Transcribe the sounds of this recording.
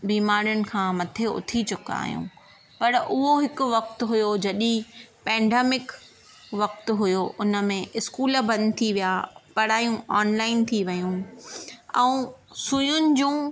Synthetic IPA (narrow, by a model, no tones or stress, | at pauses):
biːmaːɾjʊnɪ̆kʰãːmɐt̪ʰeʊ̰t̪ʰit͡ɕʊka̰ːɦijṵ̃ː | pɐɾʔʊɦoɦɪkʊ̆ʋɐk̚t̪ɦʊjod͡ʑɐɗĩpɛ̃ːɳɖeːmɪk | ʋɐk̚t̪ɦʊjoʔʊnə̆mẽʔɪskuːlbɐ̃nd̪ɪt̪ʰiʋijapɐɽaːjũaːnlaːɪnt̪ʰiʋɐjũ | ɛ̃ũsʊjʊnɪ̆d͡ʑũː